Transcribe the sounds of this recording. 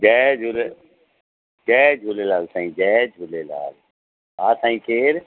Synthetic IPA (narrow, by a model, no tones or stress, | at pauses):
d͡ʒɛːd͡ʒʱule | d͡ʒɛːd͡ʒʱulelaːlsãĩːd͡ʒɛːd͡ʒʱulela̰ːl | ɦaːsãːĩːkeːɾ